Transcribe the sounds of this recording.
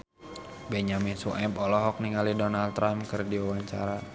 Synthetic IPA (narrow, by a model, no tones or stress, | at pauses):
bɛɲaminsuʔɛpɔlɔɦɔk̚niŋalidonalt̪ɾamkərdiawaɲt͡ʃa̰ɾa